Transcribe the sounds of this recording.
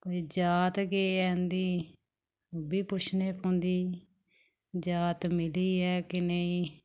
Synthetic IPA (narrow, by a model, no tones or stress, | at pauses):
koːiːd͡ʒaːt̪ɡeːɛːnd̪iː | biːpʊt͡ʃʰneːpõːnd̪iː | d͡ʒaːt̪mɪliːɛːkɪneĩː